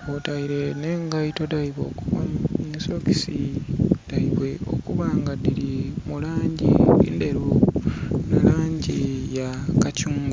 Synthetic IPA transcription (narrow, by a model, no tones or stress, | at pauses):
otaiɾe̞ne̞ŋɡajito̞daiβo̞ːkuβaiso̞ki̥sid̥aiβwe̞o̞̰kuβaːŋɡadiɾimulaːɲɟḭḭnde̞ɾu | nalaːɲɟija | kacuːŋɡu